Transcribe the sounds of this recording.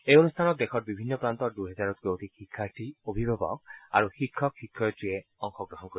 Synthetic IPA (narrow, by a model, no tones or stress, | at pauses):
ejonustʰanɔt̚dɛxɔt̚bibʱinːɔpɹantɔtduɦɛzaɹɔt̚kowtikxikʰːaɹtiobʱibʱabɔ̰k̚a̰ɹuxikʰːɔkxikʰːɔjtɹiɛɔŋxɔɡɹɔɦɔnkoi